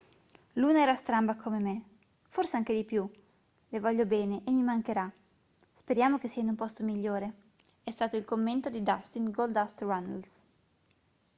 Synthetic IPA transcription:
luːnaɛːɾast̪ɾambakʰomeme | forseaŋk̟ed̪ipju | levɔʎːobɛːneʔemːimaŋkeɾa | speɾjaːmokesːiːainumpɔst̪omiʎːoːɾe | ɛst̪aːt̪oilkomːent̪od̪id̪ast̪inɡold̪ast̪rana̰ls

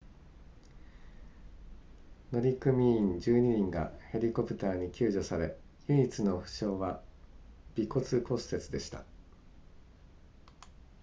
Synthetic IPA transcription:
no̞ɾʲikɯ̟mʲiĩɲd͡ʑɨːɲ̟iɲ̟ĩŋɡa̰he̞ɾʲiko̞pɯ̟̥t̪aːɲ̟ikʲɨːʑo̞saɾe̞ | jiit͡sɨno̞ɸɯ̟̥ɕo̞ːβa | b̥ʲiko̞t͡sɨko̞sse̞t͡sɨd̪e̞ɕi̥t̪a̰

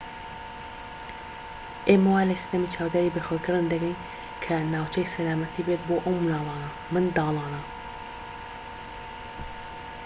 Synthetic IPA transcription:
ʔeːmɐwaːlɐsi̥t̪ɐmiːt͡ʃʰaːwd̪aːɾibeːxeːkɨɾɨnd̪ɐɡɛjn | kʰɐnaːwt͡ʃʰɛjsɐlaːmɐt̪ʰiːbeːt̪̚boːʔowmɨnɑːlˠɑːnɐ | mɨnd̪ɑːlˠɑːnɐ

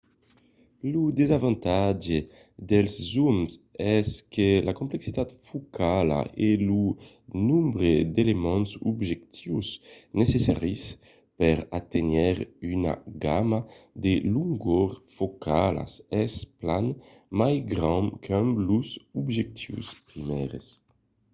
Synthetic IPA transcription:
lud̪ezavɑ̃nt̪ad͡ʒe | d̪ɛlszumsɛskelʔakõmpleksit̪at̪fukʰala̰ʔelu | nũmbɾed̪elemɔ̃nsṵbʒek̚t̪ʰiwsnesesa̰ʁis | pɛɾat̪enɛɾyna̰ɡamad̪eluŋɡoɾfokʰala̰sɛsplan | majɡɾãŋkʰɛmluzubʒek̚t̪ʰiwspɾimɛɾes

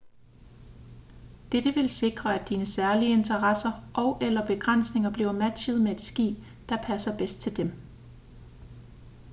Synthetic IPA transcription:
d̥ed̥əʋe̝lse̝ɡ̥ʁɐæ̥iːnəsæɐliəe̝nt͡sʰɐʁɑsɐʔɒ̽ʊʔelɐb̥e̝ɡ̥ʁɑn̰sne̝ŋɐb̥liʊɐmæ̥ɕəð̞ˠmee̝d̥sɡ̥ḭ̥ː | d̥ɑ̈pʰæsɐb̥esd̥̚t͡sʰe̝ld̥em

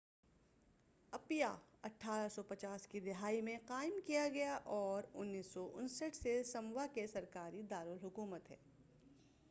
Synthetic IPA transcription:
ɐpjaɐʈʰːaːɾəsɔpɐt͡ʃaːskid̪ɪɦaːimẽqaːɪmkijaɡɐjaʔɔːɾʊnːiːsːɔʔʊnsəʈʰsesɐmʋakesɐɾkaːɾid̪aːɾʊlɦʊkuːmət̪ɦɛ̰ː

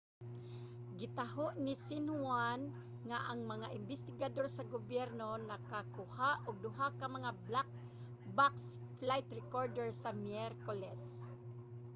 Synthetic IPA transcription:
ɡɪt̪aɦoʔnɪsɪnhwan | ŋaʔaŋmɐŋaʔɪmbɪst̪ɪɡad̪oɾsaɡobjɛɾnonakakʊhaʔʔʊɡ̚d̪ʊɦakamɐŋablak̚ | baks | flajt̪ɹɛkoɹd̪ɛɹsamjɛɾkolɛs

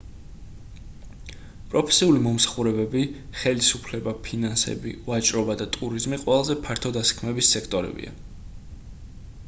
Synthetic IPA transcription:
pʼɾɔpʰɛ̥siulimɔmsḁχuɾɛbɛbiχɛlisupʰlɛbapʰinansɛ̰bḭvat͡ʃʼɾɔbad̪at̪ʼuɾizmiqʼwɛlˠazɛpʰaɾt̪ʰɔd̪asḁkʰmɛbisːɛkʰt̪ʼɔɾɛ̰bḭa̰

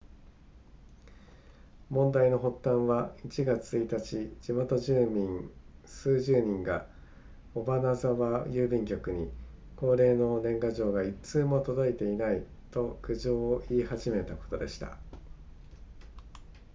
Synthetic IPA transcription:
mõ̞nd̪aino̞ɦo̞t̪ːãɰ̃βait͡ɕiɡat͡sɨit̪at͡ɕid͡ʑimo̞t̪o̞ʑɨːmʲĩŋsɨːʑɨːɲ̟ĩŋɡa | obanazaβajɯːbʲĩŋkʲo̞kɯ̟ɲ̟iko̞ːɾe̞ːno̞nẽ̞ŋɡaʑo̞ːɡait͡sɨːmo̞t̪o̞d̪o̞it̪e̞inai | t̪o̞kɯ̟ʑo̞ːiːhaʑime̞t̪ako̞̥t̪o̞d̪e̞ɕi̥t̪a̰

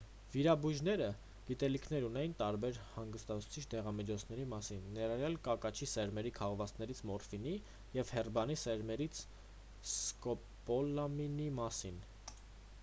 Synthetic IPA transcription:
viɾɑbuʒnɛɾə | ɡ̥it̪ɛlikʰnɛɾunɛjint̪ɑɾbɛɾhɑŋɡəst̪ɑt͡sʰu̥t͡sʰit͡ʃʰd̪ɛʁɑmit͡ʃʰɔt͡sʰnɛɾimɑsinːɛɾɑrjɑlkɑkɑt͡ʃʰisɛɾmɛɾikʰɑʁvɑt͡snɛɾit͡sʰmɔɾfini | jɛvhɛrbɑnisɛɾmɛɾit͡sʰ | skɔ | pɔlɑminimɑsin

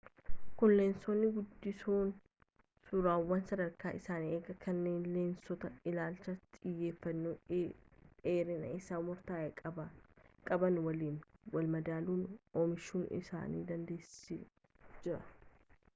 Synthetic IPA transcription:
kʊnleːnsonːɪɡʊd̪ːɪsoːn | sʊɾaːwːɐnsɐd̪ɐɾkaːɪsaːneːɡɐkɐnːe̞ːnle̞ːnsɔt̪ɐɪlaːlt͡ʃɐt̪ʼɪjːe̞ːfːɐnːu | eːɾɪnɐ̰ɪsaːmʊɾt̪aːjɐkʼɐbɐkʼɐbɐnwɐliːnwɐlmɐd̪aːluːnoːmɪʃuːnɪ̰sa̰ːnḭːd̪ɐnd̪e̞ːsɪ | d͡ʒɪɾɐ̥

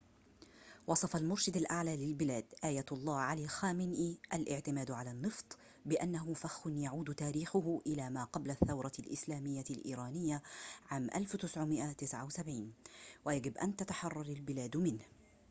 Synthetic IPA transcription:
wɑsˤɑfɑlmʊɾʃad̪alʔaʕlaːlɪlbɪlaːd̪ʔaːjaɑlˤːɑːʕaliːxaːmɪnʔiːʔalʔɪʕt̪ɪmaːd̪ʕalanːɨft̪ˤ | bɪʔanːaɦʊfaxʊnjaʕuːd̪t̪aːɾiːxʊɦʔɪlaːmaːqɑblaθːawɾˤɑlʔɪ̰slaːmɪjːalʔḭːɾˤaːnɪjːaʕaːmʔa̰lft̪ɪsʕʊmɪʔat̪ɪsʕawsabʕiːnwajaɡɪbʔa̰nt̪at̪aħɑrˤːɑɾˤalbɪlaːd̪mɪnh

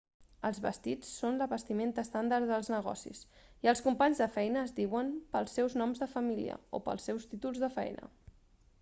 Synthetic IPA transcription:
əlˠzβəst̪it͡sːonləβəst̪iment̪əst̪and̪aəɾðəlˠznəɣɔ̰sḭsiəlˠskumpaɲzðəfɛjnəːzdiwəmpəlˠsɛwznɔmzðəfəmilḭə̰o̰pə̰lˠsːɛwst̪it̪ulˠzðəfɛ̰jnə̰

